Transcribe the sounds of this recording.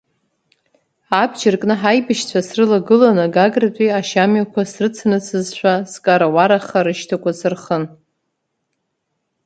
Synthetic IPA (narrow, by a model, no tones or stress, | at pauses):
abd͡ʒɪrkʼnɨħajbɨʃt͡sʷʰasrɨlaɡɨlanɨɡaɡratʷʼiaʃamɥakʷʰasrɨt͡sʰnɨsʰɨzʃʷᶣaskʼaɾawaɾaχaɾɨʃtʰakʷʰasɨrχən